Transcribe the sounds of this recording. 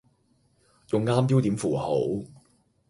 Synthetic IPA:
jʊ˨ŋːaː˥mpiː˥wt̪iː˨˥mfuː˨˩ho̰˨˥w

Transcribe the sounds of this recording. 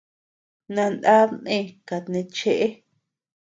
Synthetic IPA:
nã˧nd̪a˦nẽ˦˧ka˨t̪nẽ˧t͡ʃe˧ʔe˦

